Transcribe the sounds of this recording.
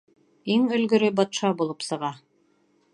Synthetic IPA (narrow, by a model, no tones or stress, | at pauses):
iŋɵ̆lɡɵ̆ɾɘbɑt̪ʃɑbulˠɤpsɤ̆ʁɑ